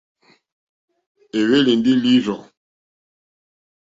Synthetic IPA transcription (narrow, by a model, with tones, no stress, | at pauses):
e˨we˦li˨ndi˦li˦ʒɔ̃˨